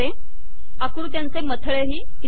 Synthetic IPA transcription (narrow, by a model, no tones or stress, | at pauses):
e | akɾut̪jãnt͡semət̪ʰəɭeɦiː | i